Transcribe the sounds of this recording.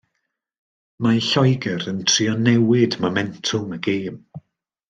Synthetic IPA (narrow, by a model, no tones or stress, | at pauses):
maɬɔjɡɛɾəntʰriɔnɛwɪdmomɛntʰʊməɡeːm